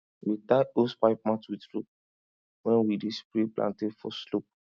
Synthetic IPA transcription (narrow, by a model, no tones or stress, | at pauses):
witaospaɪp̚mãtwitɾup̚ | wɛ̃nwidespɾeplʔã̰ntefɔslop̚